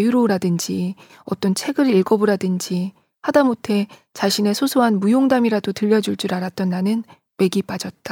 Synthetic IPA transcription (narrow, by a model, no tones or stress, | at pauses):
juɾoɾadɯnd͡ʑi | ʌt͈ʌnt͡ɕʰe̞ɡɯɾiɭɡʌbɯɾadɯnd͡ʑi | hadamotʰe̞ | t͡ɕaɕʰine̞sʰosʰoɦanmujoŋdamiɾadotɯʎːʌd͡ʑuɭt͡ɕ͈uɾaɾat͈̚ʌnːanɯn | me̞ɡip͈ad͡ʑʌt̚t͈a